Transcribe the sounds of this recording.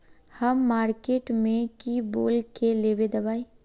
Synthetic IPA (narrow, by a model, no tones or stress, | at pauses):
həmːaːɾkeːʈmẽkiboːlkeleːbed̪ɐbaːi